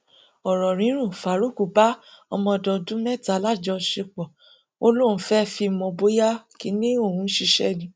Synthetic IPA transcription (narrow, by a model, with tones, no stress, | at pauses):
ɔ˨ɾɔ˨ɾ̃ĩ˨˦ɾ̃ũ˦˨fa˨ɾu˦˨ku˨ba˦ɔ˧mɔ̃˧dɔ̃˧dũ˦mɛ˦˨ta˨˦la˦˨d͡ʒɔ˧ʃe˧k͡pɔ˨ | o˧lo˦˨ũ˨˦fɛ˦˨fi˧mɔ̃˧bo˦ja˦ki˨˦nĩ˦o˦˨hũ˧˦ʃi˧ʃɛ̰˦˨nĩ˧˦